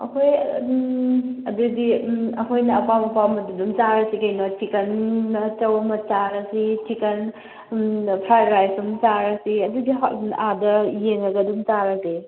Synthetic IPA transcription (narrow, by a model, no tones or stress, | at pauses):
ɐ̰kʰoj | ɐdudiɐkʰojnɐːpamɐpamɐdudumt͡ʃaɾɐsikɐjnotʰikɐnːɐt͡ʃɐwɐmɐt͡ʃaɾɐsitʰikɐn | pʰɾajdɾajsumt͡ʃaɾɐsiɐdudiɦadɐjeŋɐɡɐdumt͡ʃaɾɐsi